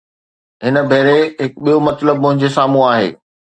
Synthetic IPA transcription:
ɦɪnə̆bʱeːɾeɦɪkɓijomɐt̪ləb̚ːʊ̃ɦɪ̃ɲd͡ʑesaːmũaːɦḛː

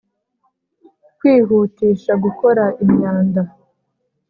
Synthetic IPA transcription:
kwiːɦutiːʃaɡuko̞ɾaʔimɲaːnda

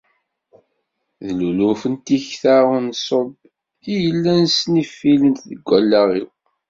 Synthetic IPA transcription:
ðlulufənt̪içθaɾənsˤob | ijəlːænsnifːilənt̪ðəɡʷːælːæʁiw

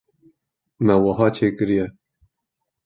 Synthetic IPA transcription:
mɛwɐɦɑːt͡ʃʰeːkɨɾijɛ

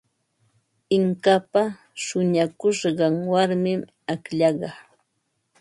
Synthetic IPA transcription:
ɪŋkapa | ʃʊɲakʊʃɢɑŋwaɾmɪm | akʎɑɢɑ

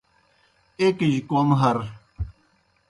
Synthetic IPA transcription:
ekiʑkonɦɐɾ

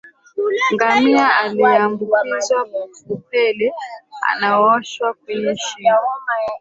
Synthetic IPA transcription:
ŋɡamiaaliambukizwaup̚ɛlɛa̰naɔʃwak̚wɛɲɛʃim

